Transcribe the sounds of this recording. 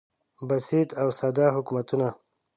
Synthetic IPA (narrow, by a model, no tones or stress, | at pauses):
basit̪awsad̪ɑɦʊkmat̪una